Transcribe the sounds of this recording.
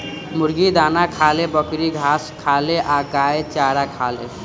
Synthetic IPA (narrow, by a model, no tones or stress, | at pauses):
muɾɡid̪anakʰalebʌkɾiɡʱaskʰaleʔaɡaet͡ʃaɾakʰale